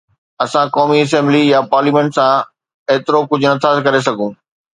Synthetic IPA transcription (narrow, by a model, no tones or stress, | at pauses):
ɐsãkɔːmiɐs̬ɛ̃ːmblijapaːɾliːmẽːɳʈsã | eːt̪ɪɾokʊd͡ʑʱʊnɐt̪ʰasekɐɾes̬ɐɡʱũː